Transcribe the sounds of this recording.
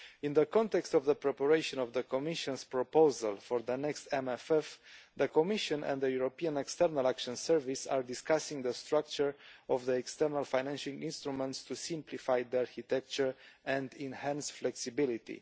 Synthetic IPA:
ĩnd̪əkɔ̃nt̪ɛkst̪ɔvðəpɹɛpəɹejʃɔ̃nɔvðəkɔmiʃɔ̃nspɹɔpozalfɔɹðənɛkst̪ɛmɛfɛfðəkɔmiʃɔ̃nʔɛ̰̃nd̪d̪əjuɹopiãnɛkst̪ɛɾnalakʃɔ̃nsɛɹvisaɹd̪iskasĩŋd̪əst̪ɾak̚t͡ʃəɹɔvðəɛkst̪ɛɾnalfajnɛ̃nʃĩŋĩnst̪ɾumɛ̃nt̪st̪usĩmplifajd̪iaɹxit̪ɛk̚t͡ʃəɹɛ̃nd̪ĩnhæ̃nsflɛksibilit̪ḭ

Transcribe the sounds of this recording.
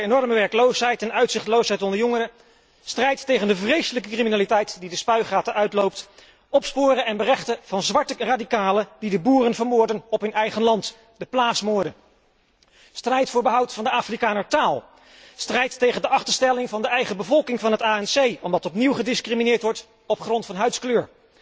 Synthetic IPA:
enɔɹməʋɛɹklowsɦɛjtɛnœɥtsɪχtlowsɦɛjtɔndəɹjɔŋərə | strɛjtːejχəndəvrejsələkəkriminaːlitɛjtdidəspœɥχaːtəʔœɥtlowpt | ɔpspʊːrənɛnbərɛχtəv̥ɑnzʋɑɹtəraːdikaːlədidəbuːrənvəɹmʊːɹdənɔpɦɵnɛjχənlɑnt | d̥əplaːsmoːɹdə | strɛjtfʊːɹbəɦʌwtfɑndəaːfrikaːnəɹtaːlˠ | strɛjtːejχəndəʔɑχtəɹstɛlɪŋvɑndəɛjχəbəvɔlˠkɪŋvɑnɦətaːɛnsejɔmdɑtɔpniwχədɪskriminɪːɹtʋɔɹt | ɔpχrɔntfɑnɦœɥskløːɹ

